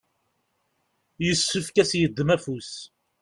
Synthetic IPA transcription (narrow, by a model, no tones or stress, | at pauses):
jəsːʊfkæsjəd̪ːmæfus